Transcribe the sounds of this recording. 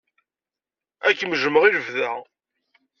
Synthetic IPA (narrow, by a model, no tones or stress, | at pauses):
ækːməʒəməʁiləvðæ